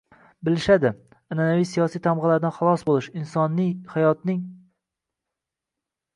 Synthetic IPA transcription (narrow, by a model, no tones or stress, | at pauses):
bɪlɪʃad̪ɪ | ananavijsijɒsijt̪ʰamʁɨlaɾd̪aχɑlˠɒsbolˠɪʃɪnsɒnːɪhajɒt̪̚nɪŋ